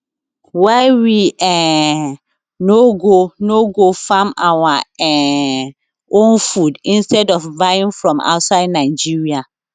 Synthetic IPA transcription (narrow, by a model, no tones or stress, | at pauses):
waɪwiɛ | noɡonoɡofamawaɛ | õnfudĩnstɛdɔfvaĩnfɹɔ̃ma̰ʊtsaɪdnaɪd͡ʒiɹia